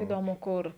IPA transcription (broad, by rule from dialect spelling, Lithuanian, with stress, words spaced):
iːˈdoːmʊ ˈkʊr